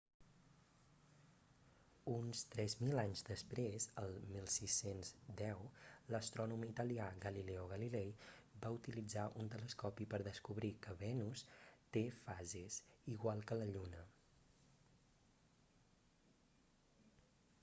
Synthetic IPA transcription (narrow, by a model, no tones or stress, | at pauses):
unst̪ɾɛzmilaɲzd̪əspɾezəlˠmilˠsisenzd̪ɛwləst̪ɾɔnumit̪əliaɣəlilɛuɣəlilɛjbaut̪ilid͡zaʔunt̪ələskɔpipəɾðəskuβɾikəβɛnust̪efazesiɣ̞walˠkələʎunə